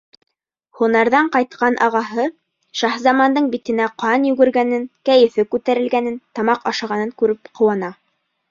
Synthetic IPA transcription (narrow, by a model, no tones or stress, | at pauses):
hunɑɾðɑɴqɑjt̪qɑnʔɑʁɑɦɤ | ʃɑχzɑmɑnd̪ɤɴbit̪ɘ̆næqɑnjʉɡɘ̆ɾɡænɘnkæjɘ̆fɘkʉt̪æɾɘ̆lɡænɘnt̪ɑmɑqɑʃɑʁɑnɤŋkʉɾɘpqŏwɑnɑ